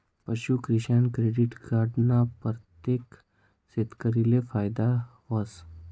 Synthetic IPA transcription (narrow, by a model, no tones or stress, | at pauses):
pɐʃukɾɪʃankɾeɖɪʈɡaːɾɖnapəɾt̪ek | sɪt̪kəɾilefaːjd̪a | ʋɐs